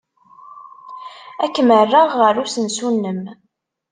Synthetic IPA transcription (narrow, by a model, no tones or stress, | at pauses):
ækːmərːəʁːəɾusənsunːəm